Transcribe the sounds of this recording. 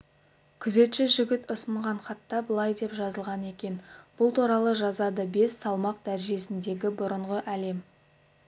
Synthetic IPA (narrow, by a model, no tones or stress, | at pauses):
kʲʰʏze̞t̪ʃɪʒʏɡʲɪt̪ʊsəɴʁɑɴχɑt̪ːɑbəlˠɑjd̪e̞pʒɑzəlˠʁɑne̞kʲe̞nb̥ʊlˠt̪uɾɑlˠəʒɑzɑd̪əbe̞sːɑlˠmɑq̚d̪̥æɾʒe̞sɪnd̪e̞ɡʲɪbʊɾəɴʁəʔæle̞m